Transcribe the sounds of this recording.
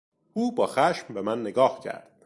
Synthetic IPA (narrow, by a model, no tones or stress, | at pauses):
ʔuːbɒːxæʃmbe̞mænːeɡɒːhcʰæ̰ɾd̪̥